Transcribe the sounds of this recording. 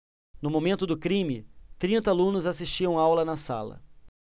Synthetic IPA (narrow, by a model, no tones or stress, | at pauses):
nʊmomẽnt̪ʊd̪ʊkɾĩmɪt̪ɾĩnt̪ɐalũnʊzasiʃt͡ʃiɐ̃w̃awlɐnɐsa̰lɐ̰